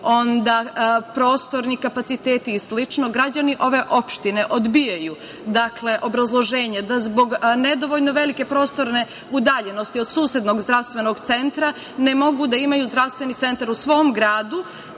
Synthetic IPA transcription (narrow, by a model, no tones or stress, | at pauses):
o̞nd̪apɾo̞ːst̪o̞ɾnikapat̪sit̪eːt̪islit͡ʃnoɡɾad͡ʑaniʔo̞ʋe̞ʔo̞pʃt̪ine̞ʔo̞d̪bijaju | d̪akle̞ʔo̞bɾazlˠo̞ʒe̞ːɲed̪azbo̞ɡned̪oʋoʎnoʋe̞like̞pɾo̞ːst̪o̞ɾne̞ | ud̪aːʎe̞nost̪io̞d̪suːsjed̪no̞ɡzd̪ɾaʋst̪ʋe̞no̞ɡt̪se̞nt̪ɾa | nemo̞ɡud̪aimajuzd̪ɾaʋst̪ʋe̞nit̪se̞nt̪aɾusʋo̞ːmɡɾaːd̪u